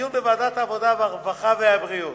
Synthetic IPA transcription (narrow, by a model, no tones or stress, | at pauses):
jumbevaːd̪at̪aːvod̪abaʁvaχaveabʁijo